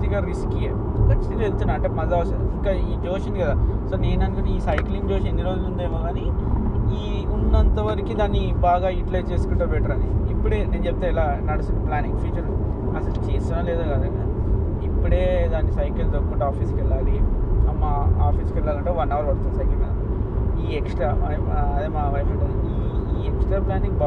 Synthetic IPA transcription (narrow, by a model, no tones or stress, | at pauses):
t̪ikaɾiskie | kɐt͡ʃːt̪iɾielt̪unːɐɐɳʈemɐzaʋɐsɐd̪uiŋkaːiːd͡ʒo̞ːʂɐnd̪ikɐd̪aːsoːneːnɐnkuniːsɐjkliŋɡd͡ʒoːʂend̪iɾoːd͡ʒlund̪ɐmoːɡaːniiː | unːɐnt̪ɐʋɐɾɐkid̪aːnːibaːɡaːiʈilɐjt͡ʃeːskuɳʈɐːbɛʈɐɾɐnɖiːpːuɽe̞ːne̞ːnd͡ʒɛp̚t̪aːilaːnɐɽisunplaːniŋɡpʰiːt͡ʃɐl | ɐsɐlt͡ʃeːsinaːleːd̪aɡɐd̪a | ipːuɽe̞ːd̪aːnːisɐjkɐlt̪oːkːuʈːaːpʰiːskɛɭːaːliɐmːaaːpʰiːskɛɭːaːlɐɳʈeːʋɐnːaːʋɐlɐɽt̪unsɐjkiɡɐ | iːeksʈɾaː | ɐd̪eːmaːʋɐjmɐʈɐ | iːeksʈɾaːplaːniŋɡba